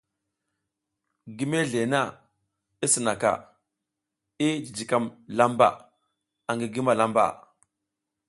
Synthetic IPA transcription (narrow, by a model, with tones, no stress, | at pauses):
ɡi˦me˦ɮe˨na˦˨ | i˦si˨na˨ka̰˨ | i˦d͡ʒi˨d͡ʒi˨ka˦mla˦mba̰˨ | a˨ŋɡi˨ɡi˦ma˨la˦mba̰˨